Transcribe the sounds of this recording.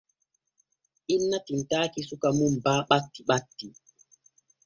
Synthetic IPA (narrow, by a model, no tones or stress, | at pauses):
ʔinːatintaːkisukamumbaːɓatːiɓatːi